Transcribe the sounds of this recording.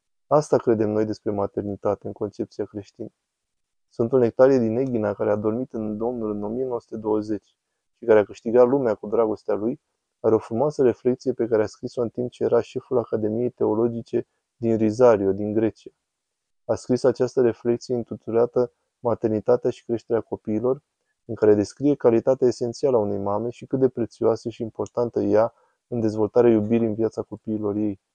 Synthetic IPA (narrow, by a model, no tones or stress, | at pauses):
ast̪akɾe̞d̪e̞mno̞jd̪e̞spɾe̞mat̪e̞rnit̪at̪e̞ɨŋko̞nt͡ʃe̞p̚t̪siakɾe̞ʃt̪inə | sunt̪une̞k̚t̪aɾijed̪ine̞ɡʲinakaɾe̞ad̪o̞rmit̪ɨnd̪o̞mnulɨno̞mije̞noəsu̥t̪e̞d̪o̞wəze̞t͡ʃʲ | ʃikaɾeakɨʃt̪iɡat̪lumeakud̪ɾaɡo̞st̪ealuj | aɾeo̞fɾumoasəɾe̞fle̞k̚t̪sijepe̞kaɾeaskɾiso̞ɨnt̪imp̚t͡ʃeje̞ɾaʃe̞fulakad̪e̞mije̞jt̪e̞o̞lo̞d͡ʒit͡ʃe̞ | d̪inrizaɾio̞d̪iŋɡɾe̞t͡ʃia | askɾisat͡ʃast̪əɾe̞fle̞k̚t̪sije̞ɨnt̪ut̪ulat̪ə | mat̪e̞rnit̪at̪eaʃi̥kɾe̞ʃt̪e̞ɾeako̞piːlo̞r | ɨŋkaɾe̞d̪e̞skɾije̞kalit̪at̪eaese̞nt̪sialaune̞jmame̞ʃikɨt̪̚d̪e̞pɾe̞t̪sioasəʃiːmpo̞rt̪ant̪əja | ɨnd̪e̞zvo̞lt̪aɾeajubiɾiɨnvjat̪sako̞piːlo̞rje̞j